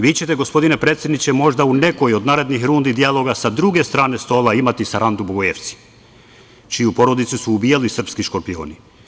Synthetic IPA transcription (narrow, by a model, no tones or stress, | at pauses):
ʋiːt͡ɕe̞t̪e̞ɡo̞spo̞d̪ine̞pɾe̞ːt̪sje̞d̪nit͡ɕe̞mo̞ʒd̪aune̞kojio̞d̪naːɾe̞d̪nixɾund̪id̪ijalˠo̞ɡasad̪ɾuɡe̞st̪ɾaːne̞st̪o̞ːlˠaimat̪isaɾand̪uboɡojeʋt̪si̥ | t͡ʃijupo̞ɾo̞d̪it̪susuːbijalisr̩pskiʃko̞ɾpio̞̰ːni